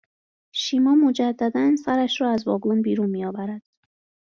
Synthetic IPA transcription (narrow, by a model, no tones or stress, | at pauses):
ʃiːmɒːmod͡ʒæd̪ːæd̪ænsæɾæʃɾɒːæzvɒːɡonbiːɾunmiːɒːvæɾæd̪̥